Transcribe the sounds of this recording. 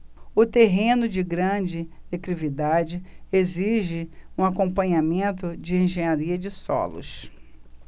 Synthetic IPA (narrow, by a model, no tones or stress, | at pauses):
ʊt̪eɦẽnʊd͡ʒɪɡɾɐ̃d͡ʒɪekɾivid̪ad͡ʒɪeziʒɪũakõpɐ̃ɲamẽnt̪ʊd͡ʒɪẽʒẽɲaɾiɐd͡ʒɪsɔ̰lʊ̰ʃ